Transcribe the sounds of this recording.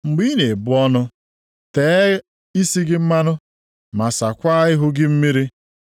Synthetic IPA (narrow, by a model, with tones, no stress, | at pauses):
ŋ͡m̩˨ɡ͡bi˦ne˨bʊ˦ɔ˦nʊ˦ | te˨˦ | i˦si˦ɡɪ˦m̩˦ma˦nʊ˦ | ma˨sa˨kʷa˦ɪ˦ɦʊ˦ɡɪ˦m̩˦mi˦ɾi˦